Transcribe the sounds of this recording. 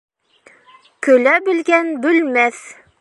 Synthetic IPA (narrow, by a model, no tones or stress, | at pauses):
kɵ̆læbɘ̆lɡænbɵ̆lmæθ